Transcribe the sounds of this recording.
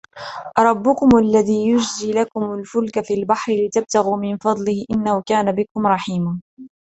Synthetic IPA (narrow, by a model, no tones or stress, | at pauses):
ʔɾˤɑbːʊkʊmʔalːaðiːjʊd͡ʒziːlakʊmʊlfʊlkafiːlbaħɾɪlɪt̪ab̚t̪aɣuːmɪnfɑd̪ˤlɪhʔɪnːahʊkaːnabɪkʊmɾˤɑħiːmaː